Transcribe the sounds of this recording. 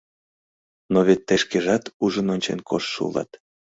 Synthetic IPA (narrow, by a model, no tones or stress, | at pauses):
noβet̪ːeʃkeʒɑt̪uʒənonʲt͡ɕḛnkʰoʃʃṵlɑ̰t̪